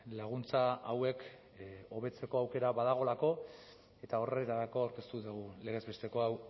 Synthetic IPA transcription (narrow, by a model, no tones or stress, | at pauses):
laɣ̞unt͡saawe̞k | o̞β̞e̞t͡se̞ko̞awke̞ɾaβaðaɣ̞o̞lako̞ | e̞t̪ao̞ret̪aðako̞awɾke̞st̪uðeɣule̞ɣ̞e̞zβe̞st̪e̞ko̞aw